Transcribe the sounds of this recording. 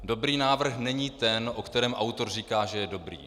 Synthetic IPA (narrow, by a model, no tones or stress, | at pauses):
do̞bɾiːnaːvr̩xnɛɲiːt̪ɛnʔokt̪ɛɾɛːmʔawt̪o̞rriːkaːʒɛjɛdo̞bɾḭː